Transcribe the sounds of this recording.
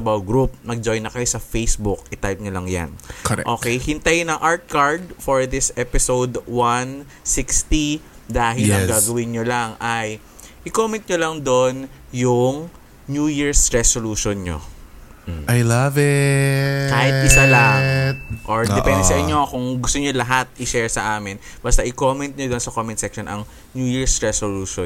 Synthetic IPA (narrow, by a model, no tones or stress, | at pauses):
t̪ɐbahɡɾup̚nɐɡ̚d͡ʒojnːɐkɐjosɐfejsbʊk̚ʔɪt̪ajp̚ɲolɐŋja̰nkɛ̰ʔo̞ːkɛjhɪnt̪ɐjnɐŋʔaɹt̪̚kaɹd̪̚foɹd̪ɪsʔɛpɪsowd̪wan | sɪkst̪id̪aːɦɪlɐŋɡaːɡɐwɪnɲːolaŋʔɐj | ʔɪkomɛ̃nt̪̚ɲolɐŋd̪on | jʊŋ | njuːjiɹsɹɛsoluːʃonɲo̰ | ʔɐjlavɛ | kaːhɪt̪̚ʔɪsalat̪̚ʔoɹd̪ɛppɛnd̪ɛsɐʔɪɲːokʊŋɡʊst̪oɲolɐɦat̪̚ʔɪʃɛɹsɐʔaːmɪnbɐst̪ɐʔɪkoːmɛnt̪̚ɲod̪onsɐkoːmɛnsɛkʃonʔɐŋ | njuːjiɹsɹɛsoluːʃo